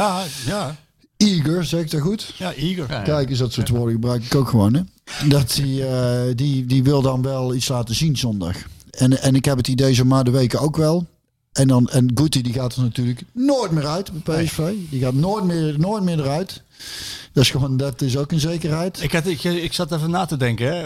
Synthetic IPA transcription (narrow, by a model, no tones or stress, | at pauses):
a | iɡəɹzɛɣɪktɔxutiɡəkɛjkəsdɑtsotʋoːdəɣəbrœɥkɪkowkxəʋonɛ | dɑtididiʋɪlˠdɑnʋɛlˠitslaːtəzinzɔndɑ̰xɛnɛnɪkɦɛpətidejzəmaːndəʋejkəowkʋɛlˠ | ɛndɑnɛnɡutidiɣaːtənatyːrləknoːjtmɪːɹœɥtbɛpeɛsfejdiɣaːtnoːjt̚mɪnoːjt̚mɪːɹdərœɥt | d̥ɑsxəʋondɑtɪsowkənzejkərɦɛjtɪktɪɪksɑtavənaːtədɛŋkəɛ